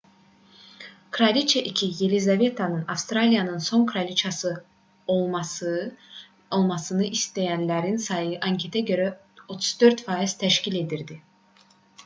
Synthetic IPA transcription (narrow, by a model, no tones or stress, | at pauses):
kʰɾalʲit͡ʃʰeʔicʰijelʲizavet̪ʰanɯnafst̪ɾalʲijanɯnso̞nkʰɾalʲit͡ʃʰasɯ | omasɯ | olˠmasɯnɯʔist̪ʰe̞jænlʲæɾinsajɯʔaɲcʰe̞t̪ʰɛɟø̞ɾɛ | o̞t̪ʰu̥z̥d̪øɾt̪faiz̥t̪ʰɛʃcilʲe̞d̪iɾd̪i